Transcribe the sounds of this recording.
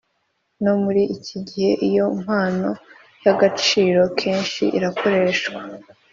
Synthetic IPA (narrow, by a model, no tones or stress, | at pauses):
no̞muɾiʔiciɟihe̞ʔijo̞m̥haːno̞ | jaɡat͡ʃiːɾo̞kʰe̞ːnʃḭʔḭɾakʰo̞ɾe̞ːʃwa